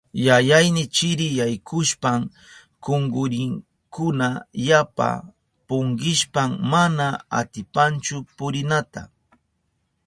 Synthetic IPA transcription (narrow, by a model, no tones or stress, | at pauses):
jajajnɪt͡ʃɪɾɪjajkʰʊʃpaŋ | koŋɡʊɾɪŋ | kʊnajapa̰ | pʊŋɢɪʃpammanaa̰t̪ɪpant͡ʃʊpʊɾɪnat̪a̰